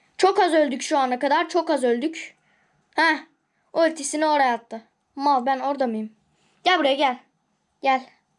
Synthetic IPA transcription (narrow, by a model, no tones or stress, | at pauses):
t͡ʃʰo̞kazø̞lʲd̪ycʃuanakad̪aɾt͡ʃʰo̞kazø̞lʲd̪yc | hɛ | oølʲt̪ʰesinio̞ɾajat̪ʰːɯ | malˠbæno̞ɾd̪amɯjɯm | ɟ̥ɛlʲbuɾjaɟælʲ | ɟælʲ